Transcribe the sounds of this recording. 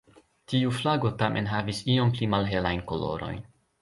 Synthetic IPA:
tiuflaɡo̞tamʔe̞̰nɦavisio̞mplimalɦe̞lajnko̞lo̞̰ɾo̞̰jn

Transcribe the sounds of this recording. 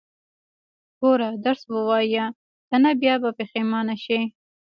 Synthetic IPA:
ɡ̥oɾad̪aɾsbəwɑja | t̪anabjɑbapexemɑnaʃi

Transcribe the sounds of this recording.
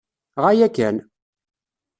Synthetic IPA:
ʁæjækːæn

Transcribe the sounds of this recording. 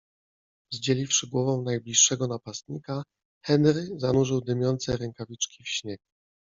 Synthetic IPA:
zd͡ʑelʲifʂɘɡwɔvɔ̃w̃najblʲiʂːɛɡɔnapast̪ɲika | xɛnɾɘzanuʐɘwd̪ɘmʲjɔnt̪sɛɾɛŋkavʲit͡ʂkʲifɕɲɛk

